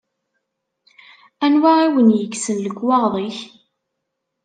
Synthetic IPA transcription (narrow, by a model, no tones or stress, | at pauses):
ænwaiwənjəɡsənləɡwɑʁðˤiç